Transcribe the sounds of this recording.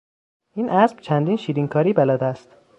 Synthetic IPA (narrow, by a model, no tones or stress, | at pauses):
iːnʔæsb̥t͡ʃʰænd̪iːnʃiːɾiŋkʰɒːɾiːbælɒːd̪æst̪